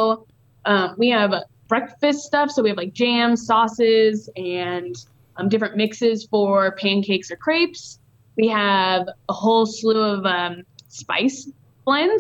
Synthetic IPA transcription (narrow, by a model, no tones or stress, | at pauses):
ʊ | ʔʌ̃mwiɨvʌb̥ɹɛkfɨststʌfsoʊwiɨv̥laɪk̚d̥ʒ̥æ̃m̥sɔsɪzɨ̃n | ʌ̃mdɪfɹɨ̃nmɪksɪz̥fə˞pʰæ̃nkʰeɪksə˞kʰɹ̥eɪps | wiəvəhoʊlˠsluʌvʌ̃mspa̰ɪs | b̥lɛ̃n